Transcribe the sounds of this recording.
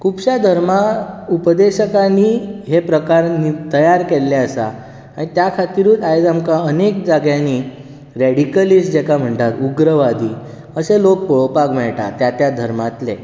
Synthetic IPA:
kʰupɕad̪ʱəɾmaupəd̪eɕəkaniːɦepɾəkaɾnit̪əjaɾkelːɛəsa̰ | aɽ̃it̪jakʰat̪iɾuːajd͡zamkaənek̚d͡zaɡjaniː | ɾɛɽikəlisd͡ʑekam̤əɳʈaɾuɡɾəʋad̪ʱiː | əselok̚pəɭpaɡmɛɭʈa̰t̪jat̪jad̪ʱəɾmat̪le

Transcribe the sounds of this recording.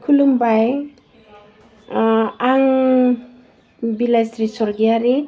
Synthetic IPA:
kʰulumbaj | aŋ | bilajsɾisɔɾɡiaɾe

